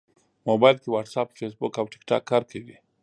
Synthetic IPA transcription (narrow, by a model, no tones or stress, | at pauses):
mobajlkiwaʈsapfes̬bʊkawʈɪ̥kʈa̰kʰːaɾkʰəwi